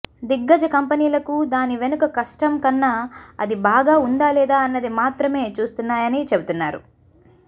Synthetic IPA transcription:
d̪iɡːɐd͡ʒɐkɐmpɐniːlɐkud̪aːniʋe̞nukɐkɐʂʈɐmkɐnːaɐ̰d̪ibaːɡaːund̪aːlɛːd̪aːɐnːɐd̪imaːt̪ɾɐme̞ːt͡ʃuːst̪unːaːjɐnit͡ʃe̞but̪unːaːɾṵ

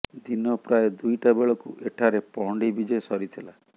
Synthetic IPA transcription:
d̪inɔpɾajed̪ujʈabeɭɔkuʔeʈʰaɾepɔɳɖibid͡ʒɔsɔɾit̪ʰila

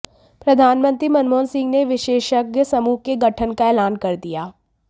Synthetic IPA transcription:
pɾɐd̪ʱaːnmə̃nt̪ɾimɐnmoːnsɪ̃ŋɡneʋɪʃeːʃəɡjəsɐmuːɦkeɡɐʈʰənkaɛːlaːnkɐɾd̪ijaː

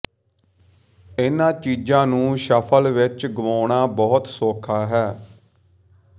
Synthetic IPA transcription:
ɪnãːt͡ʃiːd͡ʒãːnũːʃəpʰəlʋɪt͡ʃɡəʋoːɽaːbɔːt̪soːkʰaːɦɛː

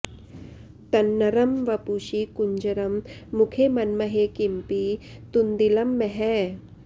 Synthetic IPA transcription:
t̪ɐnːɐɾɐmʋɐpuʃikuɲd͡ʒɐɾɐmːukʰemɐnmɐɦekimpit̪und̪ilɐmːeɦɛ

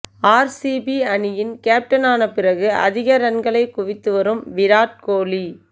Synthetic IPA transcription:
aːɾsibiɐnɪjɪnkeːp̚ʈɐnaːnɐpɪrɐɣɯʔɐ̰ðɪɣɐɾɐnɡɐɭɐɪkʊʋɪt̪ːɯʋɐɾɯmʋɪɾaːʈ̚koːli

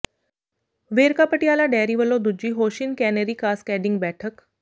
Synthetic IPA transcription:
ʋeːɾkapəʈiaːlaɖɛːɾiːʋəlːod̪ud͡ʑiːɦoɕinkɛneɾikaːskɛɖiŋɡbɛːʈʰək

